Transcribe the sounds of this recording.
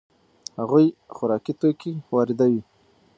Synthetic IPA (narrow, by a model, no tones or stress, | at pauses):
haɣujxʊɾɑkit̪okiwɑɾɪd̪awi